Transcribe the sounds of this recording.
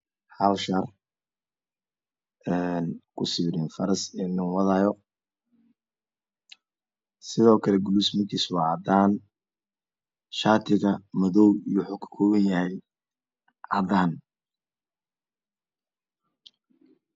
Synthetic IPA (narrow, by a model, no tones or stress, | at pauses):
hɐlʃɐr | ɛnkʰʊsɪβɾɪnfɐɾɐsɛnɪŋwɑðaːjɔ | sɪðɔːkʰɐlɛɡʊluːsmɐkʰiːswɑd̪aːn | ʃaːt̪ʰɪɣɐmɐðɔwijɔħʊkʰɐ̥kʰɔːɣɐnjɐhɛj | ʕɐd̪aːn